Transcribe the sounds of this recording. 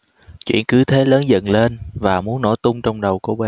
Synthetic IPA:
t͡ɕwḭ˧˨ənkɨ˨˦t̪ʰe˨˦ləː˨˦nzə̰˧˨nle˧nvaː˨˩mu˨˦ənːo̰˧˩t̪ʊ˧ŋ͡mt͡ɕɔ˧wŋ͡mɗə˨˩wko˧˩ɓe˨˩

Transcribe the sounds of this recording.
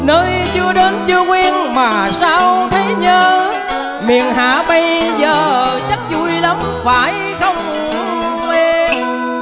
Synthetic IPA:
nəː˧jt͡ɕɨ˧əɗe˨˦nt͡ɕɨ˧əŋwi˧ənmaː˨˩saː˧wt̪ʰə˨˦jɲəː˧ | mḭ˨ənha̰ː˧˩˦ɓə˧jzəː˨˩t͡ɕə˦˥t̚zu˧˩jlə˨˦m | faː˧˩j | xə˧wŋ͡m | ʔe˧m

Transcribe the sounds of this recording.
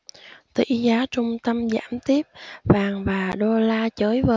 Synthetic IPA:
t̪ḭ˧˥zaː˨˦t͡ɕʊ˧ŋ͡mt̪ə˧mza̰ː˧˥˩mt̪i˦˥əp̚vaː˨˩ŋvaː˨˩ɗo˧laː˧t͡ɕəː˨˦jvəː˨˩

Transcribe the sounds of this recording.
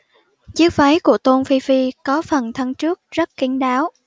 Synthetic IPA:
t͡ɕɨ˦˥k̚fə˨˦jku˧˩ət̪o˧nfi˧fi˧kɔ˨˦fə˨˩nt̪ʰa˧ŋt͡ɕɨ˦˥ək̚zə˦˥t̚ki˨˦ənɗaː˨˦w

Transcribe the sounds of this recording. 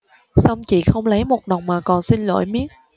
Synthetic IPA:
sa˧wŋ͡mt͡ɕḭ˧˨xə˧wŋ͡mlə˨˦jmo˨˩t̚ɗə˨˩wŋ͡mmaː˨˩kɔ˨˩nsi˧nlo̰˧˨jmi˦˥ət̚

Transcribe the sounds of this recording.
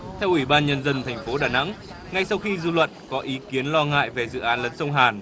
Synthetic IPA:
t̪ʰɛ˧wʔwi˧˩ɓaː˧nɲə˧nzə˧nt̪ʰɛ˨˩jŋ̟fo˨˦ɗaː˨˩na̰˧˥ŋ | ŋa˧˩jsa˧wxi˧zu˧lwə̰˧˨nkɔ˨˦ʔi˨˦ki˨˦ənlɔ˧ŋa̰ː˧˨jve˨˩zɨ̰˧˨ʔaː˨˦nlə˨˦nsə˧wŋ͡mɦaː˨˩n

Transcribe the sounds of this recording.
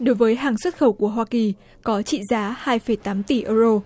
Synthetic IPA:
ɗo˨˦jvəː˨˦jɦaː˨˩ŋswə˦˥t̚xə˧˩wku˧˩əɦwaː˧ki˨˩ | kɔ˨˦t͡ɕḭ˧˨zaː˨˦haː˧jfə˧˩jt̪aː˨˦mt̪i˧˩ʔəː˧zo˧

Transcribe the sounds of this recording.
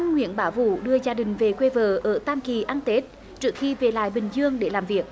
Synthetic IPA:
ŋwḭ˧˥ənɓaː˧˩wvṵ˧˨ɗɨ˧əzaː˧ɗï˨˩ŋ̟ve˨˩kwe˧vəː˨˩ʔəː˧˩t̪aː˧mki˨˩ʔa˧nt̪e˦˥t̚ | t͡ɕɨ˦˥ək̚xi˧ve˨˩la̰ː˧˨jɓï˨˩ŋ̟zɨ˧əŋɗe˧˩laː˨˩mvi˨˩ək̚

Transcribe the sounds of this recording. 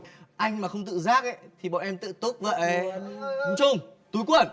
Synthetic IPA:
ʔa˧jŋ̟maː˨˩xə˧wŋ͡mt̪ɨ̰˧˨zaː˦˥k̚ʔə˧˦t̪ʰi˨˩ɓɔ̰˧˨nʔɛ˧mt̪ɨ̰˧˨t̪ʊ˦˥k̚və̰˧˨˦ | ŋ͡mt͡ɕʊ˧ŋ͡mt̪u˨˦jkwə˧˩n

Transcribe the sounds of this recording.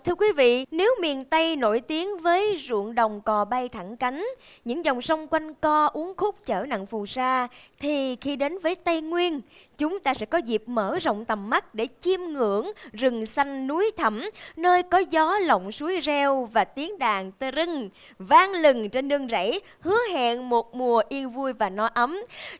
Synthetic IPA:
t̪ʰɨ˧əkwi˨˦vḭ˧˨ne˨˦wmi˨˩ənt̪ə˧jno̰˧˩jt̪i˨˦əŋvəː˨˦jzṵ˧˨əŋɗə˨˩wŋ͡mkɔ˨˩ɓa˧jt̪ʰa˧˩ŋka˨˦jŋ̟ | ɲɨ̰˧˥ŋzɔ˨˩wŋ͡msə˧wŋ͡mkwa˧jŋkɔ˧ʔu˨˦əŋxʊ˦˥k͡p̚t͡ɕəː˧˩na̰˧˨ŋfu˨˩saː˧t̪ʰi˨˩xi˧ɗe˨˦nvəː˨˦jt̪ə˧jŋwi˧ən | t͡ɕʊ˨˦ŋ͡mt̪aː˧sɛ̰˧˥kɔ˨˦zi˨˩p̚məː˧˩zə̰˧˨wŋ͡mt̪ə˨˩mːa˦˥k̚ɗe˧˩t͡ɕi˧mŋɨ̰˧˩əŋzɨ˨˩ŋsa˧jŋ̟ːu˨˦jt̪ʰə˧˩mnəː˧jkɔ˨˦zɔ˨˦lə̰˧˨wŋ͡msu˨˦jzɛ˧wvaː˨˩t̪i˨˦əŋɗaː˨˩ŋt̪ə˧zɨ˧ŋ | vaː˧ŋlɨ˨˩ŋt͡ɕe˧nɗɨ˧əŋza̰˧˥j | hɨ˨˦əɦɛ̰˧˨ŋmo˨˩t̚mu˨˩əʔi˧ənvu˧əjvaː˨˩nɔ˨˦jʔə˨˦m

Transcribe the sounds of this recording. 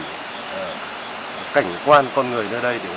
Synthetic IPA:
ka˧˩jŋ̟kwaː˧nkɔ˧nŋɨ˨˩əjnəː˧ɗə˧jɗe˧˩

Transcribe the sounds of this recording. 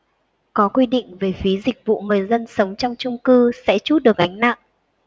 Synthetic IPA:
kɔ˨˦kwi˧ɗḭ̈˧˨ŋ̟ve˨˩fi˨˦zï˨˩k̚vṵ˧˨ŋɨ˨˩əjzə˧nsə˨˦wŋ͡mt͡ɕɔ˧wŋ͡mt͡ɕʊ˧ŋ͡mkɨ˧sɛ̰˧˥t͡ɕu˦˥t̚ɗɨ˨˩ək̚ʔa˨˦jŋ̟na̰˧˨ŋʔ

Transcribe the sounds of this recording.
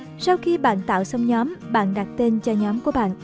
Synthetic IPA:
sa˧wxi˧ɓa̰ː˧˨nt̪a̰ː˧˨wsə˧wŋ͡mɲɔ˨˦mɓa̰ː˧˨nɗa˨˩k̚t̪i˧nt͡ɕɔ˧ɲɔ˨˦mku˧˩əɓa̰ː˧˨n

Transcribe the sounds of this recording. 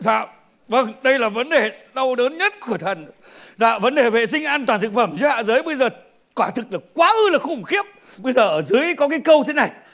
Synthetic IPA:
za̰ː˧˨w | və˧˩ŋɗə˧jlaː˨˩və˨˦nɗe˨˩ɗə˧wɗəː˨˦nɲə˦˥t̚ku˧˩ət̪ʰə˨˩n | za̰ː˧˨və˨˦nɗe˨˩vḛ˧˨sï˧ŋ̟ʔaː˧nt̪waː˨˩nt̪ɨ˨˩k̚fə˧˩mzɨ˨˦ha̰ː˧˨zɨː˨˦jɓə˧jzəː˨˩ | kwaː˧˩t̪ʰɨ˨˩k̚ɗɨ˨˩k̚kwaː˨˦ʔɨ˧laː˨˩xʊ˧˩ŋ͡mxi˦˥əp̚ | ɓə˧jzəː˨˩ʔəː˧˩zɨ˨˦jkɔ˨˦kaː˨˦jkə˧wt̪ʰe˨˦na˨˩j

